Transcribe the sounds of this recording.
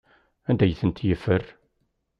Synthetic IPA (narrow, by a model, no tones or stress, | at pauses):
ænd̪æjθənt̪jəfːər